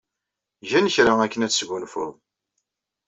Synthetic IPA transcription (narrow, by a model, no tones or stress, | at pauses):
ʝænəçɾaækːənæt͡sːsɡʊnfʊ̰ðˤ